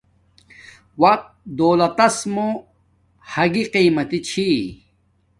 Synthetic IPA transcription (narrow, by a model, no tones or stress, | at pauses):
wɐq̚t̪̚d̪oːlɐt̪ɐsmo | hɐɡiqiːmɐt̪it͡ɕʰi